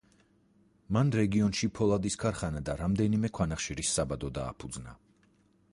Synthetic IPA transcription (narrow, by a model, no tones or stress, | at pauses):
manɾɛɡiɔnʃipʰɔlˠad̪iskʰaɾχanad̪aɾamd̪ɛnimɛkʰwanaχʃiɾisːabad̪ɔd̪a̰ːpʰud̪zna̰